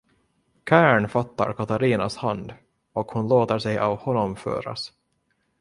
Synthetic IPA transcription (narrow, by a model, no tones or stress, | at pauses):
kʰæːɳfat̪ːa̰ɾkʰat̪aɾiːnashand̪ | ɔkhʊnloːt̪əʂɛjʔa̰vhɔnːɔmfø̰ːɾa̰s